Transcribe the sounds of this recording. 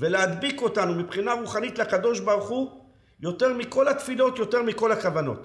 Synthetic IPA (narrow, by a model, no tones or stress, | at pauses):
velead̪biko̞tanumipχinaʁuχanit̪lakad̪o̞ʃbaʁuχu | jo̞te̞ʁmiko̞lat̪filo̞t̪jo̞te̞ʁmiko̞lakavano̞̰t̪